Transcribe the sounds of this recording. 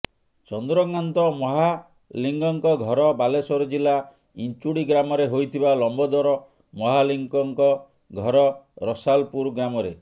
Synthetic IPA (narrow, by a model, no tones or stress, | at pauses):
t͡ʃɔnd̪ɾɔɡŋant̪ɔmɔɦa | liŋɡɔŋkɔɡʱɔɾɔbalesɔɾɔd͡ʒila | int͡ʃuɽiɡɾamɔɾeɦojt̪ʰibalɔmbɔd̪ɔɾɔ | mɔɦaliŋkɔŋkɔ | ɡʱɔɾɔɾɔsalpuɾɡɾamɔɾe